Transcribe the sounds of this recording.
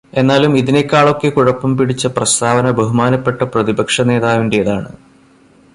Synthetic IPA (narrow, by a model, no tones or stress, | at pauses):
e̞nːaːlumiðine̞kːaːɭo̞kːekuɻɐpːɐmpiɽit͡ɕːɐprɐst̪ʰaːʋɐnɐbɐɦumaːnɐpːe̞ʈːɐprɐðibɐkʂɐne̞ːðaːʋindejɐðaːɳɨ